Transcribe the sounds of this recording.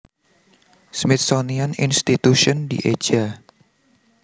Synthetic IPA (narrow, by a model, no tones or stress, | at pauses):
smit̪̚sonianḭnst̪it̪uʃɔndḭʔe̥d͡ʒa